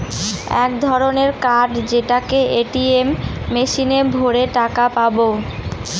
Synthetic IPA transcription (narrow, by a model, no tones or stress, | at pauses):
ɛ̰kd̪ʱɔɾoneɾkaɖd͡ʑeʈakeʔeʈiemːeʃinebʱoɾeʈakapabo